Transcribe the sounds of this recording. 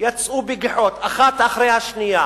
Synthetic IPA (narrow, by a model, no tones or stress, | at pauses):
jat͡sʔubiɡiħot̪aχat̪aχɾejhaʃnija